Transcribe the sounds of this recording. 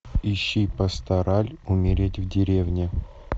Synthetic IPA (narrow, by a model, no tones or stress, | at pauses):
iɕːipəst̪aɾʔalʲʊmʲɪɾʲetʲvdʲɪɾʲevnʲɪ